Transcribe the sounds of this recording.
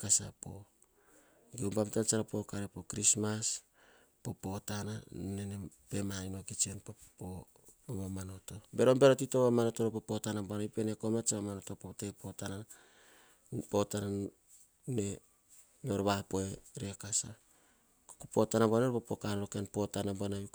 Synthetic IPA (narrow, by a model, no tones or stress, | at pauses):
kasapo̞̰ | ɡewmbamtant͡ʃaɾapo̞kaɾepo̞kɾismas | po̞po̞tananenepe̞manino̞kit͡ʃenpopo | momano̞to̞be̞ɾombe̞ɾotito̞βamano̞to̞ɾopopo̞tanabonajipe̞ne̞komat͡ʃaβamano̞topote̞po̞tana | po̞tana | ne | no̞ɾβapoe̞ɾe̞kasa | kokupo̞tanabonoɾpopokanɾokenpo̞tanabonaj